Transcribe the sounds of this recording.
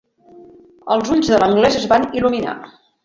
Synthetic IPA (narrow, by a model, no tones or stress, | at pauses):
ə̰lˠzuʎzðələŋɡlɛzəzβanilumina̰